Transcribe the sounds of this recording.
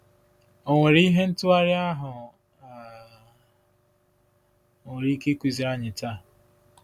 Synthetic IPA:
o˨ŋʷe˨ɾi˦ɦe˦n̩˦tʊ˦a˦ɾɪ˦a˦ɦʊ˨ | a˨ | o˨ŋʷe˨ɾi˦ke˦kʷi˨zi˨ɾa˦ɲɪ˨ta˦˨

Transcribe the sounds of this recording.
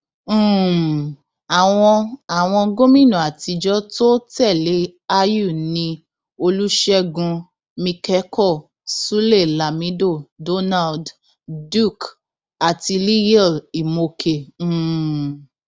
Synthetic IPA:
a˨w̃ɔ̃˧a˨w̃ɔ̃˧ɡõ˦mĩ˦˨nũ˨a˨ti˧d͡ʒɔ˦to˦tɛ˦˨le˨˦a˦ju˦˨nĩ˧ | o˧lu˦ʃɛ˦ɡũ˧ | mĩ˧kɛ˨˦kʰɔ˦˨ | su˦le˦˨la˨mĩ˨˦do˦˨do˦na˦˨ld | du˦˨k | a˨ti˧li˦jɛ˦˨i˨mo˧kʰẽ˨˦˨

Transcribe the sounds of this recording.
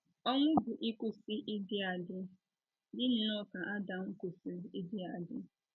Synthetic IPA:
ɔ˦ŋʷʊ˦bʊ˨ʔi˦ku˦si˦ʔɪ˦dɪ˦a˨dɪ˦ | dɪ˦n̩˨nɔ˦ka˨ʔa˦da˨ŋ̩˦ku˨si˦i˦dɪ˦a˨dɪ˦

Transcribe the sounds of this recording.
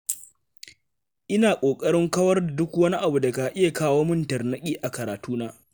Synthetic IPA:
ʔɪ˦naː˨kʷʼoː˨kʼɐ˦ɽɪ˦ŋkɐ˦wɐ˦rda˨dʊ˦kwɐ˦ni˦ʔa˨bu˨da˨ka˨ʔɪ˦ja˨kaː˦woː˦mʊ˦ntɐ˨rnɐ˦kʲʼiː˦ʔa˨kɐ˨ɾaː˨tuː˦naː˦

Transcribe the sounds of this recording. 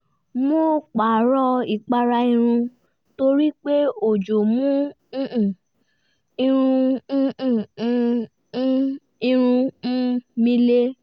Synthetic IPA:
mo˦k͡pa˨ɾɔ˧i˨k͡pa˧ɾa˧i˧ɾ̃ũ˧ | to˧ɾi˦k͡pe˦o˨d͡ʒo˨mũ˦˨ | i˧ɾ̃ũ˧˦˨ | i˧ɾ̃ũ˧˦ | mĩ˧le˦

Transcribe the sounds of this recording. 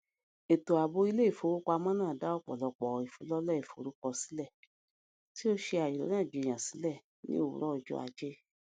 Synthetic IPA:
e˨to˨a˨bo˧˦i˧˦le˦i˦˨fo˨˦wo˦ka˧mã˦nãː˦˨da˦ɔ˦˨k͡pɔ̰˨lɔ˧k͡pɔ˨i˨fu˨˦lɔ˦lɛ˦i˨fo˨ɾu˨˦kɔ˧si̥˨˦lɛ˦˨ | ti˦o˦ʃe˧a˨ji˨ɾɔ̰˨˦nãː˦˨d͡ʒe˨j̃ã˨si˨˦lɛ˦˨ | nḭ̃˦o˦˨wṵ˨ɾɔ˦˧˨d͡ʒɔ̰˧a̰˧d͡ʒe˦

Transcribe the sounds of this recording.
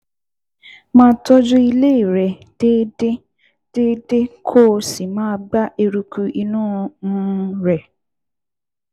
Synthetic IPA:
mãː˦tɔ˦d͡ʒu˦i˧le˦i˨ɾɛ˨ | de˦d | d̥e˦de˦kʰo˦˨si˨mãː˦ɡ͡ba˦ʔe˧ɾu˧ku˧ʔi˧nũː˦˧ñ̩˦ɾɛ˨

